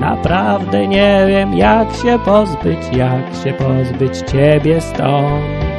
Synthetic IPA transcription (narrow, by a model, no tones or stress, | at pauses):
na̰pɾavd̪ɛɲɛvʲjɛmjakɕɛpɔzbɘt͡ɕjakɕɛpɔzbɘt͡ɕt͡ɕɛbʲjɛst̪ɔ̃